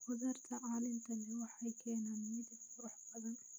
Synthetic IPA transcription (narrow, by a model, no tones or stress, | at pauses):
hʊzɐɾt̪ʰɐʕɑːlɪmt̪ʰɐlɛwɑħɑjkʰɛːnaːnmɪd̪ɪbfʊɾʊħbɐðɐn